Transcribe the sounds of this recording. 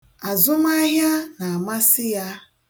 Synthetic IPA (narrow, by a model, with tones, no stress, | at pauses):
a˨zʊ˦ma˦ɦja˦na˨a˨ma˦sɪ˦ja˦